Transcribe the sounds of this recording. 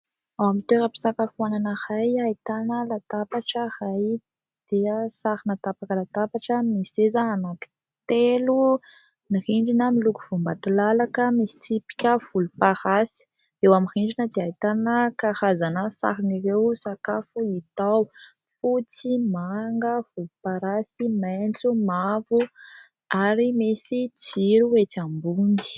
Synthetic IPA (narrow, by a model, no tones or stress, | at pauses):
awamit̪eɾəpi̥sakafuananəhajait̪anəlat̪apaʈ͡ʂəhaj | d̪̥eəsaɾinat̪apakəlat̪apaʈ͡ʂəmisezaanaki̥ | t̪elu | niriɳɖ͡ʐinəmiluku̥v̥umbat̪ilalakəmisi̥t͡sipi̥kʲəv̥ulupahasi̥ | ewamiriɳɖ͡ʐinəd̪eait̪anəkahazanəsa̰ɦinirewsakafuit̪aw | fut͡simaŋɡəv̥ulupaɾasimant͡sumavu | aɾimisit͡siɾuet͡sambuni̥